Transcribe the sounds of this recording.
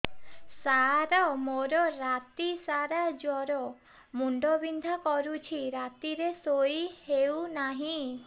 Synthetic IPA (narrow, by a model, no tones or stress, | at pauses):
saɾɔmoɾɔɾat̪isaɾad͡ʒɔɾɔ | muɳɖɔbind̪ʱakɔɾut͡ʃʰiɾat̪iɾesojhewnaɦĩ